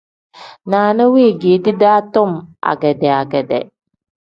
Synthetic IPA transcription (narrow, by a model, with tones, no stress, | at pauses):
naːnə˦wiː˦˨ɡiː˨d̪i˦d̪aː˦t̪o˦ma̰˨ɡɛ˨d̪ɛa˨ɡɛ˨d̪ɛ̰